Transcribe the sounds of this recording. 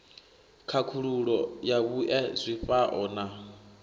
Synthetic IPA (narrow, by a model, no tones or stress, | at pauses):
kʰakʰuɺuɺɔjaβuʔɛzʷiɸaʔɔːna